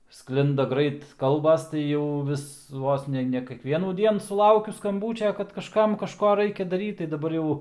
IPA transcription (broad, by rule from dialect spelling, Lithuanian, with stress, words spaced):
ˈsklʲɪndɐ ˈɡrɐɪt ˈkɐlˠbɐs tɐɪ ˈjɛʊ ˈʋʲɪs ˈʋoːs nʲɛ nʲɛ kʲɛkˈʋʲiɛnuːˈdʲiɛn sʊˈlˠɐʊkʲʊ skɐmˈbuːt͡ʃʲɛ kɐt kɐʃˈkɐm kɐʃˈkoː ˈrɐɪkʲɛ dɐˈrʲiːt tɐɪ dɐˈbɐr ˈjɛʊ